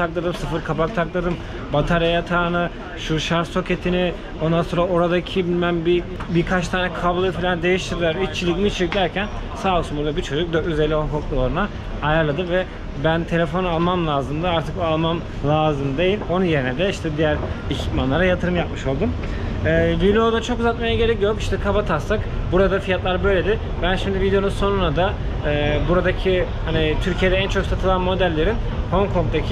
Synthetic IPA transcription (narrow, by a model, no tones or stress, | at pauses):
t̪ʰak̚lˠad̪ɯmsɯfɯɾkʰabak̚t̪ʰaklˠad̪ɯm | bat̪ʰaɾjajat̪ʰaːnɯ | ʃuʃaɾso̞cʰe̞t̪ʰini | o̞nd̪anso̞ːɾao̞ɾad̪acʰibinʲmænbi | biɾkʰat͡ʃt̪ʰaːnɛkʰablˠɯfilʲand̪e̞jiʃt̪ʰiɾd̪ilʲæɾit͡ʃʰːilʲicmit͡ʃʰcd̪ʲæɾcʰæn | saːlˠsumuɾlˠabiɾt͡ʃʰo̞d͡ʒuk̚d̪øyzelʲio̞nkok̪̚ˠulˠoɾunaː | jaɾlˠad̪ɯmvɛ | bænt̪ʰe̞lʲe̞fo̞nalˠmamlˠaːzɯmd̪ɯaɾt̪ʰɯkoalˠmam | lˠaːzɯmd̪e̞jilʲo̞nunje̞ɾinɛd̪ɛiʃt̪ʰɛd̪ijæɾecʰi̥t̪manlˠaɾajat̪ʰɯɾɯmjap̚mɯʃo̞lˠd̪um | ɛːvilʲeo̞d̪at͡ʃʰo̞kuzat̪̚majaɡɟe̞ɾɛc̚jøoɾiʃt̪ʰɛkʰavat̪ʰast̪akbuɾad̪afijat̪lˠaɾbø̞jlʲe̞d̪ɪ | bænʃimd̪ivid̪eo̞nunso̞nunad̪aː | buɾad̪acʰihanit̪ʰyɾcʰijed̪ɛænt͡ʃʰo̞ksat̪ʰɯlˠanmo̞d̪ælʲːe̞ɾin | ho̞ŋkʰo̞ŋk̚d̪acʰi